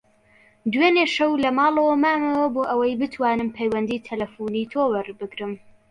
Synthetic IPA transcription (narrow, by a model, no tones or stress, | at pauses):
d̪weneʃɐwlɐmɑːlˠɐwɐmaːmɐwɐboːʔɐwɐjbɨt̪ʰwaːnɨmpʰɛjwɐnd̪iːt̪ʰɐlɐfuːniːt̪ʰoːwɐɾbɨɡɾɨm